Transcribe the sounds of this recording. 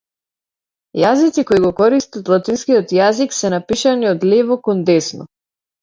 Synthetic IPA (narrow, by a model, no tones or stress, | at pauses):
jazit̪sikɔiɡɔkɔɾist̪at̪lˠat̪inskiɔt̪jaziksɛnapiʃaniɔd̪lɛvɔkɔnd̪ɛsnɔ̰